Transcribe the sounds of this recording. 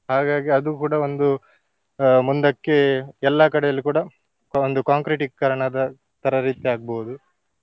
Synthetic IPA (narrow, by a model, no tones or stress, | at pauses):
haːɡaːɡiɐd̪ukuːɽɐond̪u | mund̪ɐkːe̞ɛlːakɐɽɛjɐlːikuːɽɐ | ond̪ukaːŋkɾiʈikːɐɾɐɳɐd̪ɐ | t̪ɐɾɐɾiːt̪iaːɡ̚boːud̪u